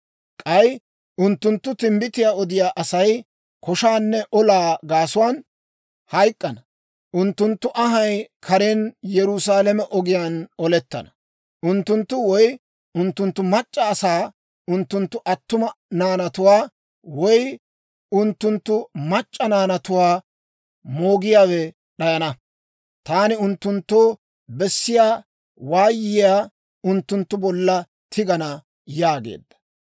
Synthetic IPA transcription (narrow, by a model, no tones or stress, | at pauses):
kʼɐj | ʔʊnt̪ːʊnt̪ːʊt̪ɪmbɪt̪ɪjaːɔd̪ɪjaːʔɐsɐj | kʰɔʃaːnːɛʔɔlaːɡaːsʊwaːn | hɐjkʼːɐnɐ | ʔʊnt̪ːʊnt̪ːʊʔɐɦɐjkʰɐɾeːnjɛɾʊsaːlɛmɛʔɔɡɪjaːnɔlɛt̪ːɐ̰nɐ̥ | ʔʊnt̪ːʊnt̪ːʊwɔj | ʊnt̪ːʊnt̪ːʊmɐt͡ʃʼːɐːsaː | ʊnt̪ːʊnt̪ːʊʔɐt̪ːʊmɐnaːnɐt̪ʊwaː | wɔj | ʊnt̪ːʊnt̪ːʊmɐt͡ʃʼːɐnaːnɐt̪ʊwaː | moːɡɪjaːwɛ | ɗɐjɐnɐ | t̪aːnɪʊnt̪ːʊnt̪ːoː | bɛsːɪjaː | waːjːɪjaː | ʊnt̪ːʊnt̪ːʊbɔlːɐ | t̪ʰɪɡɐnɐ | jaːɡḛːd̪ːɐ̥